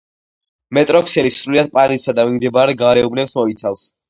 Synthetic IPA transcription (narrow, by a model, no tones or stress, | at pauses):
mɛt̪ʼɾɔkʰsɛlisɾuliad̪̚pʼalisad̪amimd̪ɛbaɾɛɡaɾɛubnɛpsmɔit̪sʰalˠs